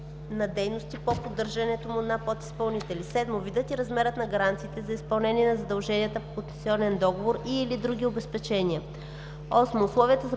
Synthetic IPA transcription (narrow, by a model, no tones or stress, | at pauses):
nɐd̪ɛjnost̪ipopod̪ːɤɾʒɐnɛt̪omʊɛd̪napot̪i̥spɐlˠnit̪ɛlisɛd̪movid̪ɛt̪iɾɐzmɛɾət̪nɐɡɐɾant̪siːt̪ɛzɐispɐlˠnɛnʲiɛnɐzɐd̪ɐlˠʒɛniət̪əpokot̪ɛnsʲiɔnɛnd̪ɔɡovoɾiːlid̪ɾuɡ̟ʲiobɛspɛt͡ʃɛnʲiə | ɔsmoːslˠɔviət̪əzɐ